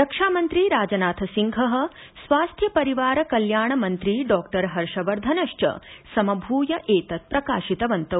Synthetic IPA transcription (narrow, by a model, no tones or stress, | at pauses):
ɾɐkʂaːmɐnt̪ɾiɾaːd͡ʒɐnaːt̪ʰɐsiŋɡʱɐɦɐ̆ | sʋaːst̪ʰjɐpɐɾiʋaːɾɐkɐljaːɳɐmɐnt̪ɾiɖɔːkʈɐɾɦɐɾʂɐʋɐɾd̪ʱɐnɐʃt͡ʃɐ̰sɐmɐbʱuːjɐʔeːt̪ɐt̪̚pɾɐkaːʃit̪ɐʋɐnt̪ɐ